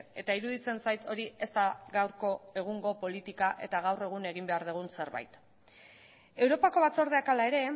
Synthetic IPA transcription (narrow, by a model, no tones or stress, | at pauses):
e̞t̪aiɾuðit͡se̞nsajt̪o̞ɾie̞st̪aɣawɾko̞e̞ɣ̞uŋɡo̞po̞lit̪ikaʔe̞̰t̪aɣ̞awre̞ɣ̞une̞ɣ̞imbe̞aɾð̞uɣ̞unse̞ɾβa̰jt̪ | e̞wɾo̞pako̞β̞at͡so̞ɾð̞e̞akalae̞ɾe̞